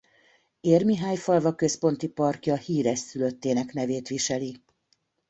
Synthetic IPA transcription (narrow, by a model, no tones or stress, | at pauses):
eːrmiɦaːjfɒlvɒkø̞spo̞nt̪ipɒrkjɒhiːɾɛsːyløt̪ːeːnɛknɛveːt̪ʋiʃɛli